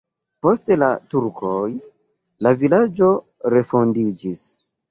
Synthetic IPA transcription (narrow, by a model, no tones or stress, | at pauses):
po̞ste̞latuɾkʰoj | lavilad͡ʒo̞ | ɾe̞fo̞ndid͡ʒis